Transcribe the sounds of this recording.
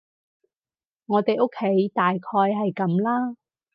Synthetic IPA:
ŋɔː˨˧t̪e˨jʔo˥kʰːe˨˥jt̪aː˨jkʰɔː˧jɦɐ˨jkɐ˨˦mlaː˥

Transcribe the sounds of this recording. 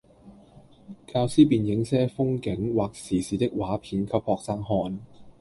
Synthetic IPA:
kaː˧wsiː˥p̬iː˨njɪ˨˥ŋsɛː˥fʊ˥ŋkɪ˨˥ŋwaː˨k̚siː˨˩siː˨˥t̪ɪ˥k̚waː˨˥pʰiː˨˥nkʰɐ˧˥p̚hɔː˧k̚saː˥ŋɦɔː˧n

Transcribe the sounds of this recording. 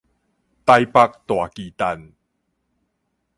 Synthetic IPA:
t̪a˧jpa˧k̚t̪wa˨˩kiː˨˩t̪a˧n

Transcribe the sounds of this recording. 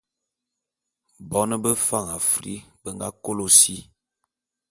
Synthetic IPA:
bɔ˦nə˦bə˦fa˦˨ŋa˨fɾḭ˦bə˦ŋɡa̰˦ko˦lo˨si˦

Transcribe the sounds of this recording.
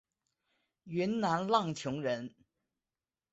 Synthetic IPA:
ɥy˧˥nna˧˥nlɑ˥˩ŋt͡ɕʰjʊ˧˥ŋɻə˧˥n

